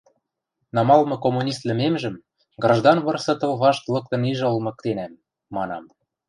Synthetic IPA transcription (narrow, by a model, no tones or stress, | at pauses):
nɑmɑlmɤ̆komːunʲist̪lɘ̆memʒə̆m | ɡrɑʒd̪ɑnβɤ̆rsɤ̆t̪ɤ̆lβɑʃt̪lɤ̆k̚t̪ɤ̆niʒolmɤ̆k̚t̪enæmː | ɑnɑm